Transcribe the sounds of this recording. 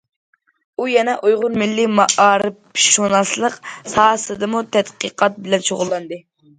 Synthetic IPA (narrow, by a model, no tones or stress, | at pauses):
ujɛnɛʔojʁʊɾmɪlːimɑʔɑːɾɨpʃonɑslˠəqsɑːsɨd̪ɨmut̪ʰɛt̪qəqʰɑt̪̚bɪlɛnt͡ʃʰoʁʊlˠːɑnd̪ɨ